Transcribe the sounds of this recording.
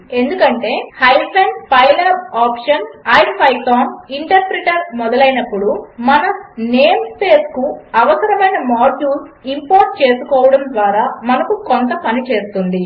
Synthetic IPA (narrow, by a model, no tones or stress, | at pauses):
e̞nd̪ukɐɳʈe̞ːhɐjpʰenpɐjlɐaːpʂɐnaːjɖpɐjt̪aːniɳʈɐɾpɾiʈɐɾmɔd̪ɐlɐjinɐpːuɽumɐnɐneːmspe̞ːskuɐʋɐsɐɾɐmɐjnɐmaːɖuːsimpoːɾʈ̚t͡ʃe̞ːsukɔːʋɐɽɐmd̪ʋaːɾaːmɐnɐkukont̪ɐpɐnit͡ʃe̞ːst̪und̪i